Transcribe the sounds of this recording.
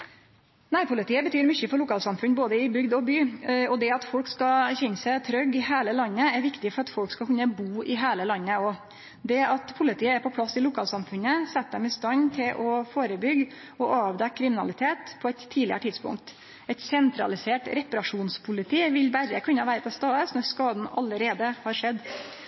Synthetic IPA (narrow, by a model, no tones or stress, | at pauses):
næːɾpʰʊlɪt̪iːəbət̪ʰyːɾmʏçəfɔɭʊkʰɑːlsɑmfʉnboːd̪əɪbʏɡd̪ɔbyːɔd̪ɛɑt̪fɔlkskɑçɛnːəsæɪt̪ʰɾœɡːɪheːləlɑnːəæɾʋɪkt̪ɪfɔɾɑt̪fɔlkskɑkʉnːəbuːʔɪɦeːləlɑnːəɔ | d̪ɛɑt̪pʰʊlɪt̪ʰiːəæɾpʰɔpʰlɑsːɪlʊkʰɑːlsɑmfʉnəsɛt̪ːd̪ɛmɪst̪ɑnt̪ʰɪlʔɔfoːɾəbʏɡ | ɔʔɑːʋd̪ɛkkʰːɾɪmɪnɑ̰lɪt̪ʰeːt̪pʰɔɛɪt̪ʰːiːd̪lɪəɾəʈɪd̪spʊ̰ŋk̚t̪ | ɛɪt̪sɛnt̪ɾɑ̰lɪseːʈɾɛpɑɾɑʂuːnspʰʊlɪt̪ʰiːʋɪlbæɾəkʰʉnːəʋæːɾəpʰɔst̪ɑːəsnɔɾskɑːd̪n̩ɑ̰ləɾeːd̪əhɑɾʂɛd̪ː